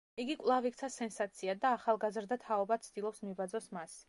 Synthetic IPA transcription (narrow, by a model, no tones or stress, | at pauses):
iɡikʼlˠavik̚ʰt̪sʰasɛnsat̪sʰiad̪aːχalˠɡazɾd̪at̪ʰaɔbat̪sʰd̪ilˠɔpsmibad̪zɔsmas